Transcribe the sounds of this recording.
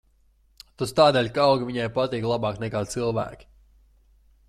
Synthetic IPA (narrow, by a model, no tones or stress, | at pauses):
t̪ust̪aːd̪eːlʲkaawɡivʲiɲajpat̪iːklˠabɑːknɛkaːt̪sɨlˠvæ̰ːkʲi̥